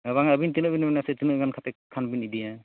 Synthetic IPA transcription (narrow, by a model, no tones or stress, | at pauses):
βaŋaəbint̪inɔʔbinmɛnasɛtinoɡankʰatɛkkʰːanbinidija